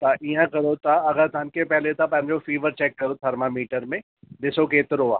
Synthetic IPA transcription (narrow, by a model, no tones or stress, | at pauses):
t̪ɐʔiãkɐɾot̪aɐɡəɾt̪ʰɐnkʰepɛɦlet̪ʰapɐ̃ɦɪ̃ɲd͡ʑofiːʋəɾt͡ɕɛːkːɐɾot̪ʰɐɾmamiːʈəɾmẽ | ɗɪsokeːt̪ɪɾoaː